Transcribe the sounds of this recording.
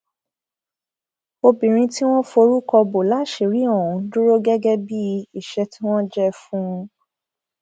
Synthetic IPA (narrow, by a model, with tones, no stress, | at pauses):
o˧bĩ˨ɾ̃ĩ˧ti˦w̃ɔ̃˦fo˧ɾu˦kɔ˧bo˨la˨˦˨ʃe˨ɾi˨˦ɔ̃˦˨ũ˨du˦ɾo˦ɡɛ˦ɡɛ˦bi˦i˨ʃɛ˧ti˦w̃ɔ̃˦d͡ʒɛ˦fũ˦˧